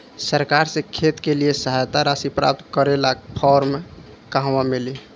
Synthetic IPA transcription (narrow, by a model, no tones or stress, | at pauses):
səɾkaɾsẽkʰet̪keliesəɦajt̪aɾasipɾap̚t̪kəɾelakpʰɔɾme | kaɦwameli